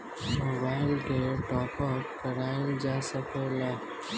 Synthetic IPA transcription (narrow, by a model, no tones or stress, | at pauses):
mobaːɪlkeʈɔːpɔkkːəɾaːld͡ʒaːsəkelaː